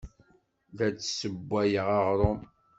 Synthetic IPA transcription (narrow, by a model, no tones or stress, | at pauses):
ðæt͡sːsəbːæjəʁɑʁɾˤom